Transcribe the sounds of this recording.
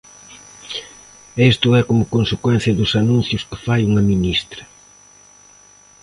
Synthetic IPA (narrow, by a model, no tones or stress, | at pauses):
est̪ʊɛkomʊkõnsekwɛn̟θjɐðʊsanũnθjʊskɪ̥fajuŋɐminist̪ɾɐ